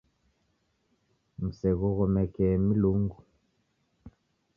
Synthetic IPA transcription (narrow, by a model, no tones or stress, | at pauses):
m̩sɛɣuɣɔmɛkɛmiluŋɡu